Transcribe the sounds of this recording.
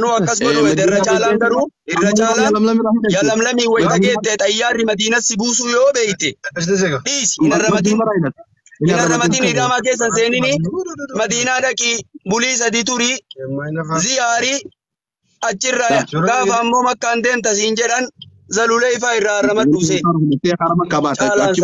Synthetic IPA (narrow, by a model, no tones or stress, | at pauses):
nʊːɐkːɐs̬ɡɐʔʊmɛd̪ɛrːɐt͡ʃaːlɐŋɡɐɾuːɪrːɐt͡ʃʼaːlɐjɐlɐmlɐmiːwɐjt̪ɐɡeːt̪ːɛt̪ʼɐjːaːrːɪmɐd̪iːnɐsːɪbuːsuːjoːbeːjt̪ːɛ | ᶑiːsɪnɐrːɐmɐd̪ɪːn | ɪnɐrːɐmɐd̪ɪniːɾɐːmaːk̬e̞ːs̬ːɐns̬e̞ːnɪnɪmɐd̪iːnaːᶑɐkʼiːbʊliːs̬ɐd̪ɪt̪ʊɾi | zɪjaːɾiː | ɐt͡ʃːɪrːaɡ̥aːfɐːmːoːmɐkːand̪e̞ːmt̪ɐs̬ɪɪnd͡ʒɛᶑɐnzɐlʊlɛɪfaːɪrːaːrːɐmɐt̪ːuːs̬eː | ɐkːɐbaːt͡ʃʼːlat͡ʃ